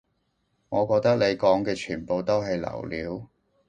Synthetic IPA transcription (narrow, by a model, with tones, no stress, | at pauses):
ŋɔː˨˧kɔː˧k̚t̪ɐ˥k̚le˨˧jkɔː˨˥ŋkɛː˧t͡ʃʰyː˨˩npo˨wt̪o˥wɦɐ˨jlɐ̰˨˩wliː˨˥w